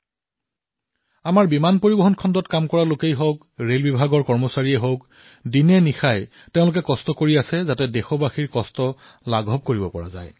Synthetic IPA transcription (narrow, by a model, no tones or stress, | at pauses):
amaɹbimanpoɹibɔɦɔnkʰɔndɔtkamkɔɹalokejɦowk | ɹelbibʱaɡɔɹkɔɹmɔsaɹiɛɦowk | dinɛnixaj | teʊ̃lʊkɛkɔstɔkoɹiasɛzatɛdexɔbaxiɹkɔstɔ | laɡʱɔb̚koɹibɔpɔɹa̰za̰j